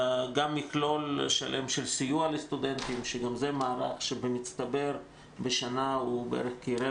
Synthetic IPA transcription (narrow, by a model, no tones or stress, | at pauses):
ɡamːiklo̞lʃa̰lʔemʃelsijualest̪ud̪ent̪imʃeɡamzemaːʁaχʃebemit͡st̪abe̞ɾ | beʃanaubeʔeɾeχkiɾe